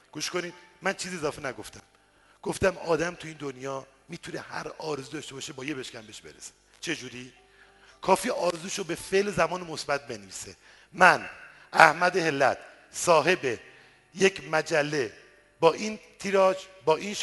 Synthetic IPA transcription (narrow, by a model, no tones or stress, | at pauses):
ɡ̥uːʃkʰo̞niːd̪̥mænt͡ʃʰiːziezɒːfenæɡo̞ft̪æm | ɡ̥oft̪æmɒːd̪æmt̪ʰuiːnd̪onjɒːmiːt̪ʰune̞hæ̰ɾɒːɾezuːd̪ɒːʃt̪e̞bɒːʃebɒːjebeʃcʲæmbeʃbe̞̰ɾese̥ | t͡ʃʰe̞d͡ʒuːɾi | kʰɒːfiːʔɒːɾezuːʃobe̞feʔlzæmɒːnemo̞sbæt̪̚ʰbe̞neviːse | mæn | ʔæhmæd̪ehelːæt̪ʰ | sɒːɦe̞be | jecʰmæd͡ʒælːe̞ | bɒːʔiːnt̪ʰiːɾɒːd͡ʒbɒːʔinʃ